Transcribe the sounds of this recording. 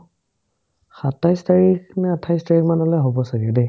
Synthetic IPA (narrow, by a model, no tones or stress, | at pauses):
xatajstaɹiknɛatʰajstaɹikmanɔlɔjɦobɔsaɡɛde